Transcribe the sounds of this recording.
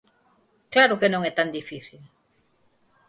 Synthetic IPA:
klaɾʊkenõŋɛt̪and̪ifiθil

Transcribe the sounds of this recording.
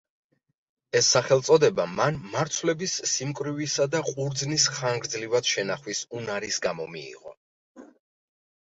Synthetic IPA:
ɛsːaχɛlˠt̪sʼɔd̪ɛbamanmaɾt̪sʰvlɛbisːimkʼɾivisad̪aqʼuɾd̪znisχaŋɡɾd̪zlivad̪̥ʃɛnaχwisunaɾisɡamɔmḭḭʁɔ̰

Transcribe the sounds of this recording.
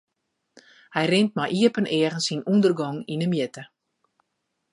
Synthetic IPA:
hɛjrɪnt̚majʔiəpənɛːχənsinundərɡɔŋinəmjətə

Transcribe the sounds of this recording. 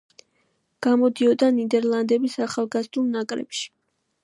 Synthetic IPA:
ɡ̥amɔd̪iɔd̪anid̪ɛɾlˠand̪ɛbisaχalˠɡazd̪ulˠnakʼɾɛ̰pʃi̥

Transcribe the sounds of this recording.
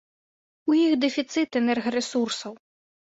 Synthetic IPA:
ujixd̪ɛfʲit̪sɨt̪ɛnɛrɣɐɾɛsursɐw

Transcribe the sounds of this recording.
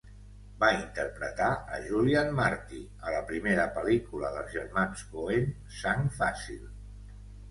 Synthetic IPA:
baint̪əɾpɾət̪aəʒulianmaɾt̪i | ələpɾimeɾəpəlikuləðəlˠzʒəɾmanskoen | saŋfasḭlˠ

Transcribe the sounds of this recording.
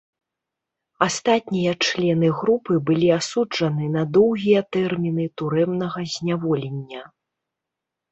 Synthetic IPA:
ast̪at̪ʲnʲijɐt͡ʂlʲɛnɨɣɾupɨbɨlʲiasud͡ʐɐnɨnɐd̪ɔwɣʲijɐt̪ɛrmʲinɨt̪uɾɛmnɐɣɐzʲnʲavɔlʲɛnʲːɐ

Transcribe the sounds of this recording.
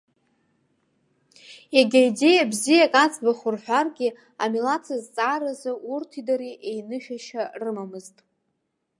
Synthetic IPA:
aɡʲaide̞jabzijakʼat͡sʰʼbaχʊrħʷᶣarɡʲɪ | amilat͡sʰazt͡sʼaːɾazɨʔurtʰidaɾiʔejnɨʃᶣaʃarɨmamɨztʼ

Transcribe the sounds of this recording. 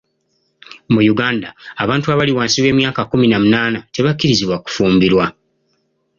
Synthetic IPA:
mujuɡaːndaːβaːntuaβaliwaːnsiβwe̞ːmjaːkakuminamunaːnate̞βakːiɾiziβwaku̥fuːmbiɾwa

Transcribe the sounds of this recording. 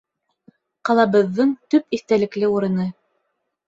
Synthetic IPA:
qɑlˠɑβɤ̆ðːɤɴt̪ɵpiθt̪ælɘ̆klɘuɾɤ̆nɤ

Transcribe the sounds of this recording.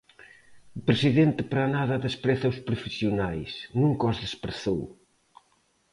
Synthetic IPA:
pɾesiðent̪ɪpɾanaðɐðespɾɛθɐuspɾofisiunajsnũŋkɔzðespɾeθow

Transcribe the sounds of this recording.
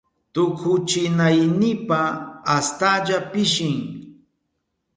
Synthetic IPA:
t̪ʊkʰʊt͡ʃɪnajnɪpaːst̪aʎapɪʃɪŋ

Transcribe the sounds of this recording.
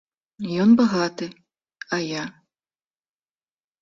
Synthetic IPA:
jɔnbaɣat̪ɨ | ɐja

